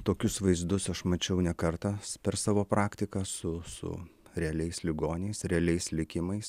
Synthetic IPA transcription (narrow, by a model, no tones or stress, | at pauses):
t̪oːkʲʊsʋɐɪzd̪ʊsɐʃmɐt͡ʃʲɛʊnʲɛkɐɾt̪ɑpʲɛɾsɑːʋoːpɾɑːkt̪ʲɪkɑsʊsʊ̰ɾʲɛɐlʲɛɪslʲɪɡoːnʲɛɪsɾʲɛɐlʲɛɪslʲɪkʲɪmɐɪs